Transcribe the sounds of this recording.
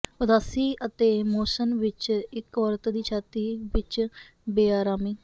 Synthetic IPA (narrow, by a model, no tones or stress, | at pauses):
ʊd̪aːsiːʔət̪eːmoːsənʋɪt͡ʃɪkəɾt̪d̪iːt͡ʃʰaːt̪iːʋɪt͡ʃ | beːaːɾaːmiː